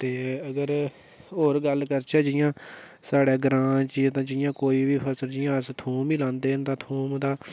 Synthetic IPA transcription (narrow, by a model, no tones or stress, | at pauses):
t̪eːəɡəɾ | ɦoːɾɡəlkəɾt͡ʃʰɛːd͡ʒɪjãː | saːɽɛːɡɾãːt͡ʃiːt̪ãːd͡ʒɪjãːkoːiːbiːpʰəsəld͡ʒɪjãːəst̪ʰũːmilãːnd̪eːənt̪ãːt̪ʰuːmd̪aː